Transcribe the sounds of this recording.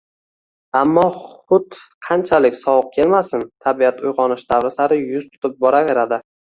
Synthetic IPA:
amːɒχʊt̪qʰɑnt͡ʃʰalɪkʲsɒwɨq̚kʲʰe̞lmasɪnt̪ʰabiat̪ʰʊjʁɒnɪʃd̪avɾɪsaɾɪjʊz̥t̪ʰʊ̥t̪ɪp̚bɒɾave̞ɾad̪ɪ

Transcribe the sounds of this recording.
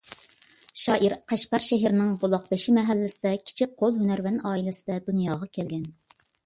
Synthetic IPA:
ʃɑːʔiɾqʰæʃqɑɾʃɛɦɪɾɪnɪŋbolˠɑq̚bɪʃimɛɦælːɪsɪd̪ɛkʲʰi̥t͡ʃʰik̚qʰolˠɦynæɾvɛnɑːilɪsɪd̪ɛd̪unjɑːʁɑkʲʰɛlɡʲɛn

